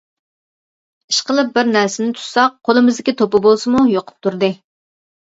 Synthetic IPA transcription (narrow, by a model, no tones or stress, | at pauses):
iʃqəlˠɨp̚bɪɾnæɾsɪnɪt̪ʰu̥sɑq̚qʰːolˠɨmɨzd̪ɪkʲit̪ʰopɨbolˠsɨmujoqʰʊ̥p̚t̪ʰuɾd̪ɨ